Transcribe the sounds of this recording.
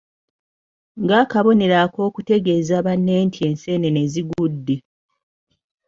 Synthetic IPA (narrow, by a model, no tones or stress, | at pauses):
ŋɡaːkaβo̞ne̞ɾako̞ːkute̞ɡe̞ːzaːβanːeːntʰie̞ːnse̞ːne̞neziɡudːe̞